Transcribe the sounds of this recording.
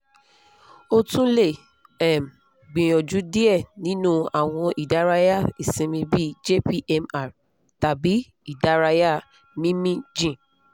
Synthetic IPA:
o˦tũ˦le˦˨ | ɛ˨m˨ | ɡ͡bĩ˨j̃ɔ̃˨d͡ʒu˨˦di˦ɛ˦˨nĩ˨˦nũ˦a˨w̃ɔ̃˧ʔi˨da˨˦ɾa˧ja˦˨i˨sĩ˧mĩ˧bi˦d͡ʒe˦pi˦ʔɛ˧ma˦˨ | ta˨bi˨˦ | i˦˨da˨˦ɾa˧ja˦˨ | mĩ˦mĩ˦d͡ʒĩ˦˨

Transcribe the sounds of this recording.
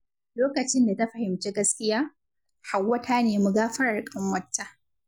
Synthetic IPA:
loː˦kɐ˨t͡ʃɪ˦nda˨ta˦ɸɐ˨hɪ˨mt͡ʃeː˦ɡɐ˦skʲɪ˦jaː˦ | ha˨wːɐ˦taː˦neː˨mu˨ɡaː˦ɸɐ˦ɽɐ˨ɽkʼɐ˦mwɐ˦tːa˦

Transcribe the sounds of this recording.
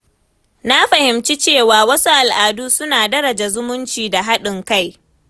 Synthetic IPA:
na˦ɸɐ˨hɪ˨mt͡ʃi˦t͡ʃeː˦˨waː˨wɐ˦su˦ʔa˨lʔaː˨duː˦sʊ˦naː˨dɐ˦ɾɐ˨d͡ʒa˨zʊ˦mʊ˦nt͡ʃiː˨da˨ɦa˦ɗɪ˨ŋka˦˨j

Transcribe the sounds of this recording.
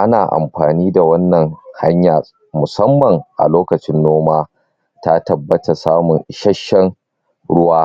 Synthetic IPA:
ʔa˦naː˨ʔa̰˨mɸaː˨niː˦da˨wɐ˦nːɐ˨ŋha̰˦ɲja˨ | mʊ˨sɐ˦mːɐ˨ŋʔa̰˨loː˦kɐ˨t͡ʃɪ˦nːoː˦maː˦ | ta˦tɐ˦bːɐ˦ta˨saː˦mʊ˨nʃɐ˦ʃːɛ˦n | ɽʊ˦waː˦

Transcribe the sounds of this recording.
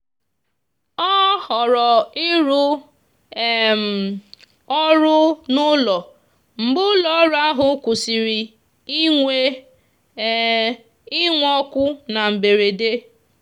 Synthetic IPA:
ɔ˦hɔ˨ɾɔ˨ɪ˦ɾʊ˦ | m̩˨ | ɔ˦ɾʊ˦nʊ˦lɔ˨ | m̩˨ɡ͡bʊ˦lɔ˨˦ɾʊ˦a˦ɦʊ˨˦kʷʊ˨si˨ɾi˨ | i˦ŋʷe˦ | ɪ˦ŋʷ˦ɔ˦kʷʊ˦na˨m̩˨be˨ɾe˨de˦

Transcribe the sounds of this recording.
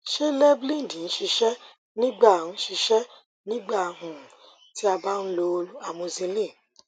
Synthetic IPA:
ʃe˦lɛ˦blĩ˦n˨di˨ñ̩˨˦ʃi˧ʃɛ˦ | nĩ˦ɡ͡ba˦˨ñ̩˨˦ʃi˧ʃɛ˦ | nĩ˦ɡ͡ba˦˨˦ɦũ˨ | ti˦a˧ba˦n̩˦lo˧o˧lu˦a˨mõ˧zi˧lĩ˦˨

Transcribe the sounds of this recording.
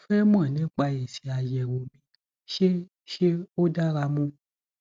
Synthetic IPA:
fɛ˦mã˦˨nĩ˨˦k͡pa˧jɛ˨si˨˧a˧jɛ˨wo˨mĩ˨˧ | ʃe˦ | ʃe˦o˦da˦ɾa˧mũ˦

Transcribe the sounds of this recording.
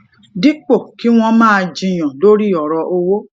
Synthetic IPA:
di˦k͡po˦˨ki˨˦w̃ɔ̃˧mãː˦˧d͡ʒĩ˧˨j̃ã˨lo˦ɾi˦ɔ˨ɾɔ˧ʔo˧wo˦

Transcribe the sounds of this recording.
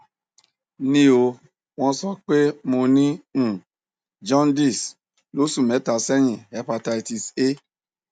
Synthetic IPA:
nĩ˦o˧ | w̃ɔ̃˧˦sɔ˦k͡pe˦mo˧nĩ˦˨ | d͡ʒɔ̃˦ndi˦˨s | lo˨˦su˦˨mɛ˨˦ta˨sɛ˦j̃ĩ˨a˨˦pa˧ta˧i˧ti˧se˦

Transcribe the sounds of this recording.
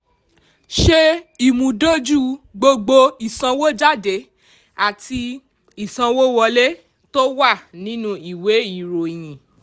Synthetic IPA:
ʃe˦i˦˨mũ˨˦do˦d͡ʒu˦˨ɡ͡bo˧ɡ͡bo˧i˨sã˧wo˦d͡ʒa˦˨de˨˦ | a˦˨ti˧ | i˨sã˧wo˦wɔ˧le˦ | to˦wa˦˨nĩ˨˦nũ˦i˦˨we˨˦i˦˨ɾo˨j̃ĩ˨

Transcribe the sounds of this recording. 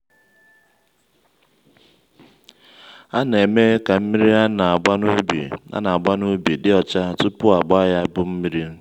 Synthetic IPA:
a˦n˨e˨me˦ka˨m̩˦mi˦ɾi˦a˦na˨a˨ɡ͡ba˦nu˦bḭ˨a̰˦na˨a˨ɡ͡ba˦nu˦bi˨dɪ˦ɔ˨t͡ʃa˦tʊ˦pʊ˦a˨ɡ͡ba˦ja˦bʊ˦m̩˦mi˦ɾi˦

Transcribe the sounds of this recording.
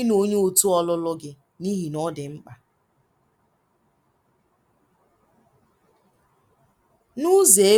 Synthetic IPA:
ɪ˦no˦ɲ˦o˨tu˦ɔ˦lʊ˦lʊ˦ɡɪ˦ | ni˦ɦi˨nɔ˦dɪ˨ŋ͡m̩˦k͡pa˨ | nu˦ze˨e˦

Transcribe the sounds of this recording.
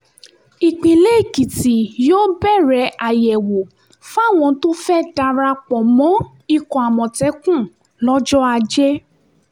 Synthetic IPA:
i˨k͡pĩ˨le˦i˦˨ki˨ti˨joː˦bɛ˦˨ɾɛ˧˦ʔa˨jɛ˨wo˨ | fa˦˨w̃ɔ̃˧˦to˦fɛ˦da˧ɾa˧k͡pɔ˨mɔ̃˨˦ | i˦kɔ̃˨a˨mɔ̃˨tɛ˨˦kũ˦˨ | lɔ˦d͡ʒɔ˦a˧d͡ʒɛ˦

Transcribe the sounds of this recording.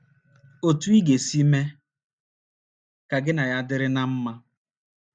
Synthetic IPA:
o˨tu˦i˦ɡe˨si˦me˦ | ka˨ɡɪ˦na˨ja˦dɪ˦ɾɪ˦na˦m̩˦ma˦

